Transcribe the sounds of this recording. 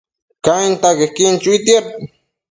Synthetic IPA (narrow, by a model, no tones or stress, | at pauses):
kaint̪akehkint͡ʃuit̪iap̚